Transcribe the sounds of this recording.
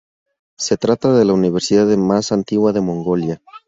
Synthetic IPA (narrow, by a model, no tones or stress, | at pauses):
se̞t̪ɾat̪aðe̞launiβ̞e̞ɾsiðaðemasant̪iɣwaðe̞mõ̞ŋɡo̞lja